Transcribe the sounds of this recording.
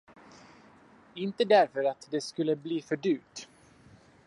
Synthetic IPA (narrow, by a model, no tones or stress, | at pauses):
ɪnt̪əd̪æɾfœɾat̪d̪ɛskɵlːəbliːfœɖy̟ːp̚t̪